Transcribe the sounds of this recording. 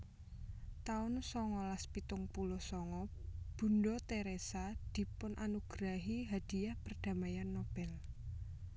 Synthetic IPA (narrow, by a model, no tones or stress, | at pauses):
t̪aʊnsɔŋɔlaspit̪ʊŋpulɔsɔŋɔb̥ṳnɖɔt̪eɾesad̪̥i̤pʊnʔanuɡ̥ɾaɦiɦad̪̥i̤jahpərd̪̥a̤majanːob̥ɛl